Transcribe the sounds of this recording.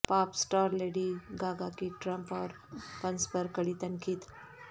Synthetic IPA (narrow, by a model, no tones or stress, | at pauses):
paːpsʈaːɾleɽiɡaɡakiʈɾəmpɔːɾ | pənspəɾkəɽit̪ənkiːt̪